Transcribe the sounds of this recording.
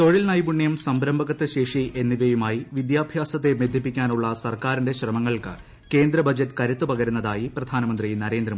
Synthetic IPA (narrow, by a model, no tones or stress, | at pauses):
t̪o̞ɻilnɐjbuɳːjɐmsɐmbɾɐmbʱɐɣɐt̪ːɨɕe̞ːʂiʔe̞nːiʋɐjumaːjiʋid̪jaːbʱjaːsɐt̪̬ːe̞med̪ʱjipːikʲːaːnuɭːɐsɐrkaːɾindeɕrɐmɐŋːɐɭkɨ | ke̞ːnd̪ɾɐbɐd͡ʑɐtːɨkɐɾut̪ːupɐɣɐɾunːɐðaːjiprɐd̪ʱaːnɐmɐnd̪rinɐɾe̞ːnd̪ɾɐmː